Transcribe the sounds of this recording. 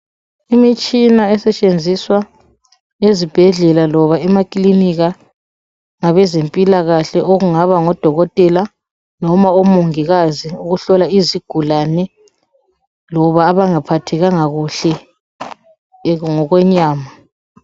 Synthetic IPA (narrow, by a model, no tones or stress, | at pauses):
imit͡ʃʼinaɛsɛt͡ʃʼend͡zʱiswa | ezib̥ʱɛɮɛlalɔβaɛmakʼiliniɣa | ŋaβɛzempʼilaɣaɬɛʔoɣuŋaβaŋɔd̥ʱɔɣɔtʼɛla | nɔmaomuŋiɣaziuɣuɬɔlaiziɡ̥ʱulanɛ | lɔβaːβaŋapʰatʰɛɣaŋaɣuɬɛ | ŋɔɣwɛɲaːma